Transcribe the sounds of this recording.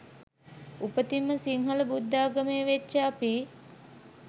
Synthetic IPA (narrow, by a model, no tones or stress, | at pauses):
upət̪imːəsiŋɦɐləbud̪ːaːɡəmeːʋet͡ʃːəapi